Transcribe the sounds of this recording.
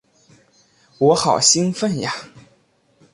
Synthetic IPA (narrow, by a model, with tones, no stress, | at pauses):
wɔ˧˥xɑ˨˩ʊɕi˥ŋfə˥˩nja˨˩